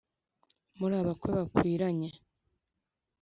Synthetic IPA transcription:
muɾaːβakweβakwiːɾaɲe

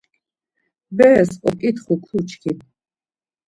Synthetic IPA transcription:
bɛːsʼɔkʼit̪ʰχukʰut͡ʃʰkʰit̪

